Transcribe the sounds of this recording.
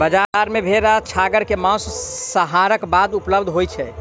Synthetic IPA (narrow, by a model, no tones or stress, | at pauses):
bəd͡ʒaɾmebʱeɾat͡ʃʰaɡəɾkemãssəɦaɾəkbad̪upləbd̪ʱɦojt͡ʃʰɛ